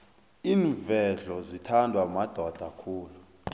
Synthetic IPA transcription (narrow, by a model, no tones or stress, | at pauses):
iːɱvɛɮɔzitʰandʱwamad̥ʱɔd̥ʱakʰuːlu